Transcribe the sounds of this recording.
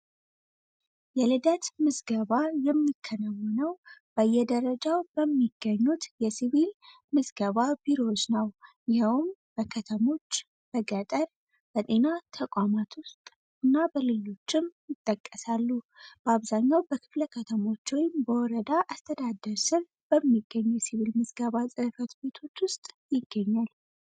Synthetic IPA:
jɛlɨd̪ət̪mɨzɡəβajɛmːikʰːənawɔnəwb̥əjːɛd̪əɾəd͡ʒawbəmːiɡ̥ːəɲːut̪jɛsiβil | mɨzɡəβabiɾot͡ʃːnəwjɪhɛwmb̥əkʰət̪ʰəmo̞t͡ʃː | b̥əɡət̪ʼəɾ | b̥ət̪ʼe̞nat̪ʰəkʷʼamat̪wʊst̪ʼ | ɨnːabəlɨlo̞t͡ʃːɪmjɪt̪ʼːəkʼːəsalːu | b̥əaβzaɲːawbəkʰɨ̥fləkʰət̪ʰəmo̞t͡ʃːwɔjɪmbəwɔɾəd̪aʔast̪ʰəd̪ad̪əɾsɨβ | b̥əmːiɡːəɲːujɛsiβilmɨzɡəβasʼɨhfət̪be̞t̪ʰo̞t͡ʃːwʊst̪ʼ | jɪɡːəɲːal

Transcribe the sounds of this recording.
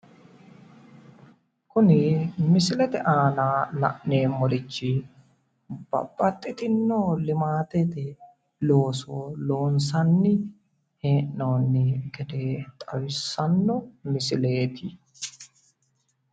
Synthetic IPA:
kʊnɪmɪsɪlɛt̪ɛʔaːnaːlɐ̰ʔneːmɔɾɪt͡ʃːɪ | b̥ɐ̰bːɐt̪ʼːɪt̪ɪnːoːlɪmaːt̪ɛt̪ɛ | lo̞ːsoːlo̞ːns̬ɐnːɪ | heːʔnoːnːɪɡɛd̪e̞ːt̪ʼɐwɪsːɐnːɔmɪsɪle̞ːt̪ʰɪ

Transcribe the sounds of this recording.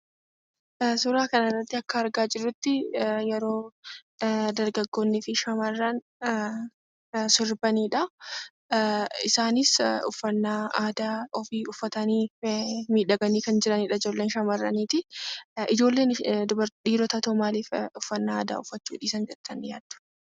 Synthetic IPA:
sʊɾaːkɐnɐrːɐt̪ːɪɐkːɐːɾɡaːd͡ʒɪrːʊt̪ːɪjɛɾo̞ː | d̪ɐɾɡɐɡːo̞ːnːɪfɪʃɐmɐrːɐn | sɪɾbɐniːᶑɐ | ɪsaːnɪsʊfːɐnːaːaːd̪aːʔɔfiːʊfːɐt̪ɐniːmiːᶑɐɡɐniːkɐnd͡ʒɪɾɐniːᶑɐɪd͡ʒo̞ːlːe̞ːnʃɐmɐrːɐniːt̪ɪɪd͡ʒo̞ːlːeːnd̪ʊbɐɾᶑiːɾɔt̪ɐt̪oːmaːliːfʊfːɐnːaa̰ːd̪a̰ːʊfːɐt͡ʃːṵːᶑiːsɐnd͡ʒɛɾt̪ʰːɐnjaːd̪ʊ̥

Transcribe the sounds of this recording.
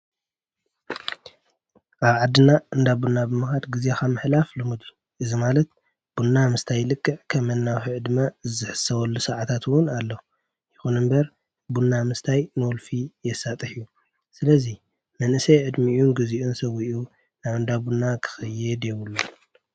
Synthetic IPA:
ʔaβʕad̪ːɨnaʔɨnd̪abunːabɨmɨxad̪ɡɨzaxamɨħlaflɨmɨd̪u | ʔɨzimalɐt̪̚ | b̥unːamɨst̪ʰajːlɨkʼːɨʕkʰɐmɐnːawħiʕɨd̪ɨmazɨħɨ̥sːɐwɐlːusɐʕat̪ʰat̪ʰwʊnalːo | jɪxunɨmbɐɾ | bunːamɨst̪ʰajnɨwɔlfijɛsːat̪ʼɨħju | sɨlɐzi | mɐnʔɨsɐjʕɨd̪mijunɡɨziʔunsɐwiʔu | naβɨnd̪abunːakʰɨ̥xɐjːɛd̪ewulːo

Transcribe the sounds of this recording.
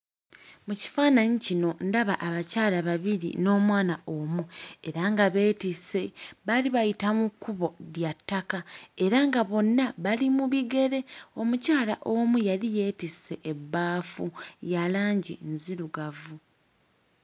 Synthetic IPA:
muci̥faːnaɲicino̞ndaβaʔaβacaːlaβaβilḭno̞ːmwaːnaʔomue̞ɾaŋɡaβe̞ːtise̞βaliβajitamukːuβo̞ðjatːakae̞ɾaŋɡaβo̞nːaβalimuβiɡe̞ɾe̞o̞mucaːla̰ʔo̞mujalije̞ːtise̞ʔːbːaːfujalaːɲɟḭnziɾuɡavu

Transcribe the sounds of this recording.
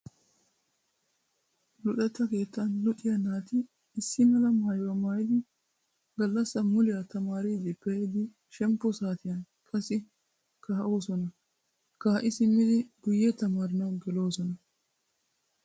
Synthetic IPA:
lʊɗɛt̪ːɐke̞ːt̪ːɐnlʊᶑɪjɐnaːt̪ɪː | sːɪmɐlɐmhɐjwɐmaːjɪd̪ɪ | ɡɐlːɐsːɐmʊlɪjɐt̪ɐmaːɾid̪ɪpɛd̪ɪ | ʃɛmpːɔsaːt̪ɪjɐn | kʼɐsɪ | kɐɦɐʔoːsɔnɐ | kɐhɐʔɪsɪmːɪd̪ɪɡʊjːɛt̪ɐmaːɾɪnɐwɡɛlo̞ːsɔnɐ

